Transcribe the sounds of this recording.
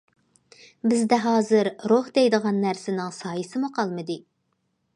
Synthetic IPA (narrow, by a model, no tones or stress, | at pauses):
bɪzd̪ɛɦɑːzɨɾɾohd̪ɛjd̪əʁɑnːæɾsɪnɪŋsɑːjɨsɨmuqʰɑlˠmɨd̪ɨ